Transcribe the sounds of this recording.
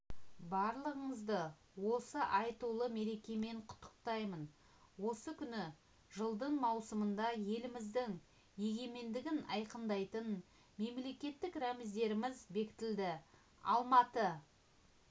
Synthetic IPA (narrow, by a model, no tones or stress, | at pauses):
bɑɾlˠəʁəɴəzd̪ə | wo̞səʔɑjt̪ulˠəme̞ɾe̞kʲe̞me̞ɴqʰʊ̥t̪ʰːə̥qt̪ɑjmən | wo̞səkʲʰʏnɪ | ʒəlˠd̪əɴmɑwsəmənd̪ɑje̞lɪmɪzd̪ɪŋ | je̞ɡʲe̞me̞nd̪ɪɡʲɪnɑjqənd̪ɑjt̪ən | me̞mle̞kʲe̞t̪ːɪkɾæmɪzd̪e̞ɾɪmɪzbe̞kʲɪ̥t̪ɪld̪ɪ | ɑ̰lˠmɑt̪ə